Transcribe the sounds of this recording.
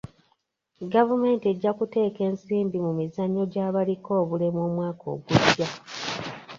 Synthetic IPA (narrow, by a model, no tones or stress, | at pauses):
ɡavume̞ːntieɟːakute̞ːke̞ːnsiːmbimumizaɲːo̞ɟaːβaliko̞ːβule̞mwoːmwaːko̞̰ːɡuɟja